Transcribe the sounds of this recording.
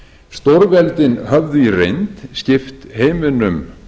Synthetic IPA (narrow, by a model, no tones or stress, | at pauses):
st̪ɔɾvɛlt̪ɪnɦœvðʏirejnt̪scɪft̪heːjmʏnʏm